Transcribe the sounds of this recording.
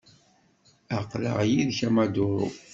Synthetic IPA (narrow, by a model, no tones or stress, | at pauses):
aqlə̰ʁjiðçæmad̪ʊɾˤṵ